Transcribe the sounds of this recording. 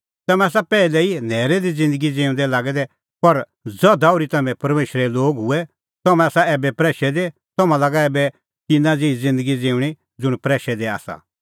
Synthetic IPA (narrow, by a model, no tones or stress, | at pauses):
t̪ɐmɛ̃ɐs̬apɛːilɛin̤ɛːɾɛd̪id͡zɪ̃nd̪əɡid͡zẽːũnd̪ɛlaːɡɛd̪ɛ | pɐɾ | d͡zɔd̪aʊɾit̪ɐmɛ̃pɐɾmeːʃɾɛloːɡɦʊɛ | t̪ɐmɛ̃asaɛːbɛpɾɛːʃɛd̪e | t̪ɐmãlaːɡaɛːbɛ | tɪnãd͡zeid͡zɪ̃nd̪əɡid͡zẽːʊ̃ɽ̃i | d͡zʊɽ̃pɾɛːʃɛd̪ea̰ːsa̰